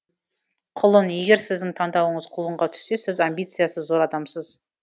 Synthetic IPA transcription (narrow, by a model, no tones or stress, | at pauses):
qʰʊlˠənje̞ɡʲe̞ɾsɪzd̪ɪŋt̪ʰɑɴd̪ɑwəɴəzqʰʊlˠəɴʁɑt̪ʰʏ̥sːe̞sɪzambʲijt̪sɨjasəːo̞ɾɑd̪ɑmsəz̥